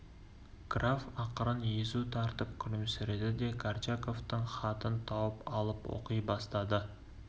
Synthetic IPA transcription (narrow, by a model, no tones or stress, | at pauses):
ɡ̥ravɑqəɾənjezut̪ʰɑɾt̪əp̚kʲʰʊɾɪmsɪɾed̪ɪd̪e̞kʰaɾt͡ʃʰako̞ft̪əɴχɑt̪ənt̪ʰɑwəpɑlˠəpwo̰qijbɑst̪ɑd̪ə